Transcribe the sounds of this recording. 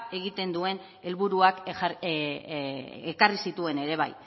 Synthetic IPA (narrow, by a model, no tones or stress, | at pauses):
e̞ɣ̞it̪e̞nd̪ue̞n | e̞lβuɾuak | ekarisit̪ue̞ne̞ɾe̞β̞a̰j